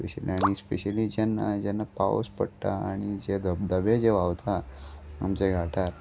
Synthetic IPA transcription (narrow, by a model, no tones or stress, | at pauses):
speɕəliaɽ̃ispeɕelid͡ʑanːa̰d͡ʑɛnːapao̰spəɽt̪aaɽ̃id͡ʑed̪əd̪əbed͡ʑeʋaʋt̪aa̰mt͡ɕeɡʱaʈaɾ